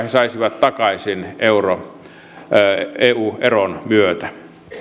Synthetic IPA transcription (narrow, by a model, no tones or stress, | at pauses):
hesɑisiʋɑt̪t̪ɑkɑisineuro | eːuːʔeronmyøt̪æ